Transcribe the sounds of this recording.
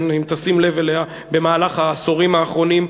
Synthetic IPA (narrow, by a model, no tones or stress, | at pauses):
nimt̪asimle̞velea | be̞maːlaχhaːsoʁimaːχʁo̞nim